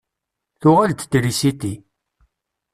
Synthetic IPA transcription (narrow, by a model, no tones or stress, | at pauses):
θʊʁalt̪əd̪ɾisit̪i